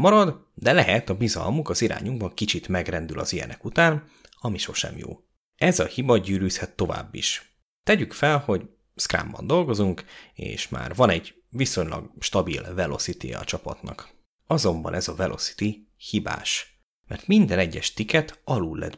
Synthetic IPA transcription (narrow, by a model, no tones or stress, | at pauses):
mɒɾɒd̪ | d̪ɛlɛɦɛt̪ɒbizɒ̰lmukɒziɾa̰ːɲuŋɡbɒŋkit͡ʃit̪mɛɡrɛnd̪ylʔɒzijɛ̰nɛkut̪aːn | ɒmiʃo̞ʃɛ̰mjo̰ː | ɛzɒhibɒɟyːɾyːshɛt̪ːo̞va̰ːbːḭʃ | t̪ɛɟykfɛlho̞ɟ | skra̰ːmbɒ̰nd̪o̞lɡo̞zuŋkḛːʃma̰ːrvɒnɛɟ | viso̞ɲlɒ̰ɡʃt̪ɒbilvɛlo̞sit̪ijɛ̰ɒt͡ʃɒpɒt̪nɒ̰k | ɒzo̞mbɒ̰nʔɛzɒvɛlʔo̞̰si̥t̪i | hiba̰ːʃ | mɛ̰rt̪mind̪ɛnɛɟːɛʃt̪ikɛt̪ɒlulːɛ̰d̪